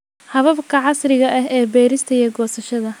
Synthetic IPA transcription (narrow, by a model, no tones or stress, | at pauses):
hɐβɐbkʰɐʕɑsrɪɣɐʔɐɦɛːbɛːɾɪst̪ʰɐiɛɡɔːsɐʃɐðɐ